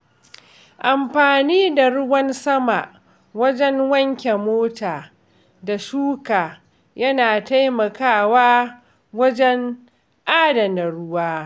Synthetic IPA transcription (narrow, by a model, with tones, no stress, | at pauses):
ʔa˨mɸaː˨niː˦da˨ɽʊ˦wɐ˦nsɐ˦ma˨ʔ | wɐ˦d͡ʒɛ˦ŋwɐ˦ŋkʲe˨moː˦taː˨ | da˨ʃuː˦kaː˨ | jɐ˦naː˨ta˦jmɐ˨kaː˦˨waː˦ | wɐ˦d͡ʒɛ˦ŋ | ʔaː˦dɐ˨na˨ɽʊ˦waː˦